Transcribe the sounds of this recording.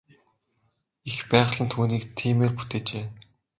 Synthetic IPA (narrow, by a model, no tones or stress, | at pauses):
ixpæːχ̆ɮə̆nt̪ʰuːniːkt̪ʰiːmeːrput̪ʰeːt͡ɕeː